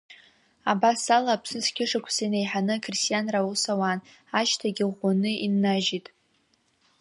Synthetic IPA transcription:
abasalaːpʰsɨskʲʰɪʂakʷʰsajnejħanɨkʰristʲʼijanrausawan | aʃtʰaɡʲɪʁʷanɨʔinːaʒitʼ

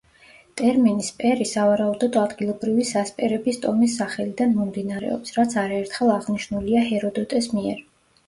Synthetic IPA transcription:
t̪ʼɛɾminispʼɛɾisavaɾaud̪ɔd̪ɔad̪ɡilˠɔbɾivisaspʼɛɾɛbist̪ʼɔmisːaχɛlid̪anmɔmd̪inaɾɛ̰ɔ̰psɾat̪sʰaɾaɛɾt̪ʰχɛlˠaʁniʃnuliahɛɾɔd̪ɔt̪ʼɛsmiɛɾ

